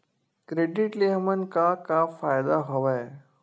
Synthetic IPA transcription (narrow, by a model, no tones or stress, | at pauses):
kɾeːɖɪʈliɦəmən̆kakafaːɪd̪aɦoʋae